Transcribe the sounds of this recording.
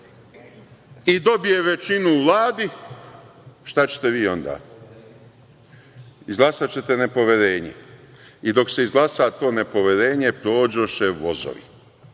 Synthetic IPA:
id̪o̞bije̞ʋe̞t͡ɕinuʋlˠaːd̪i | ʃt̪at͡ɕe̥t̪e̞ʋiːo̞nd̪a̰ː | izɡlˠasat͡ɕe̞t̪ene̞po̞ʋe̞ɾe̞ːɲḛid̪o̞kse̞izɡlasat̪o̞ːne̞po̞ʋe̞ɾe̞ːɲe̞pɾo̞ːd͡ʑoʃeʋo̞zo̰ʋḭ

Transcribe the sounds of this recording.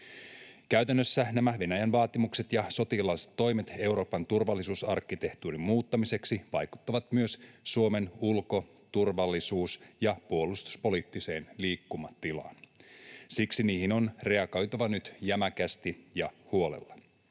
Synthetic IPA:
kæyt̪ænːøsːænæmæʋe̞næjænʋɑːt̪imukse̞t̪jɑso̞t̪ilɑnse̥t̪ːo̞jmet̪e̞wɾo̞ːpɑnt̪urʋɑlːisuːsɑrkːit̪e̞ht̪uːrimmuːt̪ːɑmise̞ksiʋɑjku̥t̪ːɑʋɑt̪myø̞ssuo̞me̞nulko̞ | t̪urʋɑlːisuːsjɑpuo̞lust̪u̥spo̞liːt̪ːise̞ːnliːkːumɑt̪ːilɑ̰ːn | siksiniːhino̞nre̞ɑɡo̞jt̪oʋɑnyt̪jæmækæst̪ijɑhuo̞lḛlːɑ

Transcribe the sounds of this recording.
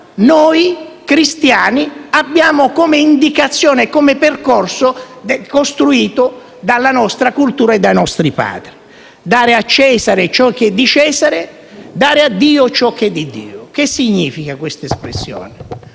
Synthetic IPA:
noɔjkɾist̪jaːniabːjaːmʊkɔmeind̪ikat̪sːjɔːnekɔmeperkɔrsʊ | d̪kost̪ɾuiːt̪ʊ | d̪alːanɔst̪ɾakult̪uːɾaɛd̪ːajnɔst̪ɾipa̰ːd̪ɾi | d̪aːɾɪat͡ʃːɛːzaɾɪt͡ʃɔk̟ːed̪ːit͡ʃɛːzaɾɪ | d̪aːɾɪad̪ːiːʊt͡ʃɔk̟ːɛd̪ːid̪ḭːʊk̟ɪsːiɲːiːfikakwɪst̪aespɾḛsːjɔ̰ːnɪ

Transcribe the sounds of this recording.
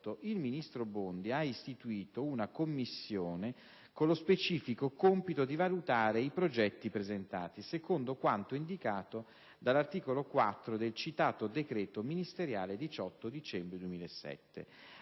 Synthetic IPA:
oʔilminist̪ɾobond̪iaist̪it̪uiːt̪ounakomːisːjoːne | konlospet͡ʃiːfikokompit̪od̪ivalut̪aːɾeipɾod͡ʒɛt̪ːipɾezent̪a̰ːt̪isekond̪okwant̪oind̪ikaːt̪o | d̪alːart̪iːkolokwat̪ːɾod̪elt͡ʃit̪aːt̪od̪ekɾɛːt̪ominist̪eɾjaːled̪it͡ʃɔt̪ːod̪it͡ʃɛmbɾed̪uwemiːlesːɛ̰t̪ːḛ

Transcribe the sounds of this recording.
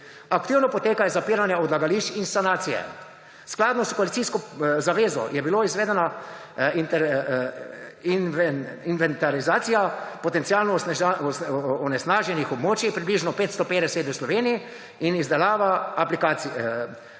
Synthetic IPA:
akt̪iːwnɔpɔt̪eːkajɛzapiːɾanjaɔd̪laɡaliʃt͡ʃinsanaːt̪sijɛ̰ | sklaːd̪nɔskɔalit̪siskɔzaʋeːzɔ̰jɛbiloizʋeːd̪ɛna | int̪ | invɛnt̪aɾizaːt̪sijapɔt̪ɛnt̪sijaːlnɔ | ɔnɛsnaːʒɛnixɔbmoːt͡ʃipɾibliʒnɔpeːt̪st̪ɔpeːd̪ɛsɛt̪əslɔʋeːnii | inizd̪ɛlaːʋaːplikaːsi

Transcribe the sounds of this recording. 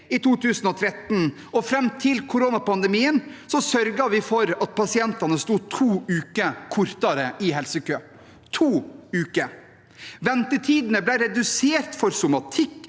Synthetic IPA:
it̪ʰuːt̪ʰʉːsn̩ɔt̪ʰɾɛt̪n | ɔfɾɛmt̪ʰɪlkʰʊɾoːnɑpɑnd̪ɛmiːənsɔsœɾɡɑʋɪfɔɾɑt̪̚pʰɑsɪɛnt̪ɑnəst̪uːt̪ʰuːʉːkəkʰʊɾt̪ɑɾəʔɪɦɛlsəkʰøː | t̪ʰuːʉːkə | ʋɛnt̪ət̪ʰiːd̪nəblɛɪɾɛd̪ʉseːɾt̪fɔɾsʊmɑt̪ʰɪkː

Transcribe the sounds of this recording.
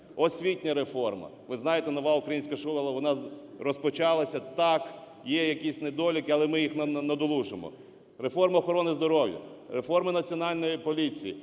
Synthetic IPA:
ɔsʲʋʲitʲnʲɐɾefɔrmɐ̰ʋɪznɑjet̪ɛnɔʋɑukɾɐjinsʲkɐʃulɐlˠɐʋɔnɑrɔspɔt͡ʃɑlˠɐsʲɐt̪ɑk | jɛjɐkisʲnɛd̪ɔlʲikɪɐlˠɛmɪjixnɐnɐd̪ɔlˠuʒɪmɔ̰ | refɔrmɐɔxɔɾɔnɪzd̪ɔɾɔwjɐ̰refɔrmɪnɐt͡sʲiɔnɑlʲnɔjipɔlʲit͡sʲijḭ

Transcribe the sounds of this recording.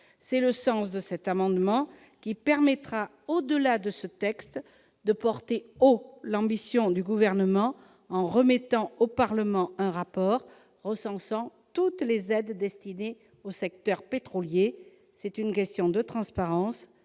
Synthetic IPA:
sɛləsɑ̃sd̪əsɛt̪amɑ̃d̪mɑ̃ | kʲipɛʁmɛt̪χa | od̪əlad̪əsət̪ɛkst̪ | d̪əpɔʁt̪eolɑ̃bisjɔ̃d̪yɡuvɛʁnəmɑ̃ | ɑ̃ʁəmɛt̪ɑ̃opaʁləmɑ̃ɛ̃ʁapɔʁ | ʁəsɑ̃sɑ̃t̪ut̪lezɛd̪ːɛst̪ine | osɛk̚t̪œʁpet̪χɔlje | sɛt̪ynk̬ʲɛst̪jɔ̃d̪ət̪χɑ̃spaʁɑ̃s

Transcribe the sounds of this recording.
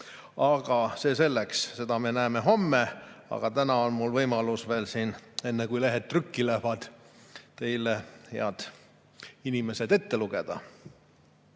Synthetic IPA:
ɑɡ̥ɑse̞ːse̞lːeksse̞d̪̥ɑme̞næːme̞ɦo̞mːeɑ̰ɡ̥ɑt̪ænɑo̞nmulvɤjmɑlusve̞ːlsiːne̞nːekujleɦet̪̚ːrykːilæhvɑd̪̥t̪e̞jlehḛɑd̪̥ | inime̞se̞d̪e̞t̪ːe̞luɡ̥e̞d̪̥ɑ̰

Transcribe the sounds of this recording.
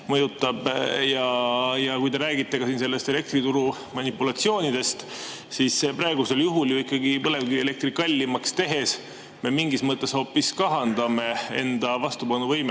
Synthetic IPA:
mɤjut̪ːˑɑb̥jɑjɑkujd̪e̞ɾæːɡit̪ːˑe̞kɑsinse̞lːe̞st̪e̞le̞kt̪rit̪uɾu | mɑnipːˑulɑt̪sio̞ːnid̪̥e̞st̪ | sisːepɾɑeɡ̥use̞ljuɦuljuikːˑɑɡipɤle̞vɡie̞le̞k̚t̪ɾikɑlʲːimɑkst̪e̞ɦe̞s | me̞miŋɡismɤt̪ˑːe̞sho̞ːpːiskɑɦɑnd̪̥ɑme̞e̞̰nd̪̥ɑvɑst̪ubɑnːuvɤjme

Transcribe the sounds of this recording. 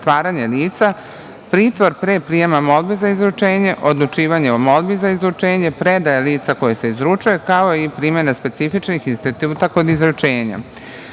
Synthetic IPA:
t̪ʋaːɾaɲeliːt̪sa | pɾiːt̪ʋo̞ɾpɾeːpɾijemamo̞lˠbezaizɾut͡ʃeːɲe̞ʔod̪lˠut͡ʃiːʋaɲeomo̞lˠbizaizɾut͡ʃe̞ːɲe̞pɾed̪ajaliːt̪sako̞jese̞izɾut͡ʃujekao̞ipɾiːmʲjenaspe̞t̪sifit͡ʃnixinst̪it̪uːt̪ako̞d̪izɾut͡ʃeːɲa̰

